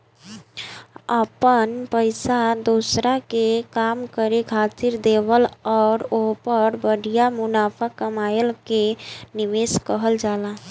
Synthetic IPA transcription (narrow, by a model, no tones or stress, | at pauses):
əpənpəɪsad̪osɾakekamkəɾekʰat̪iɾd̪ebəlɔːɾoɦpəɾbəɽijamʊnapʰakəmajəlkeniʋeskəɦəld͡ʒala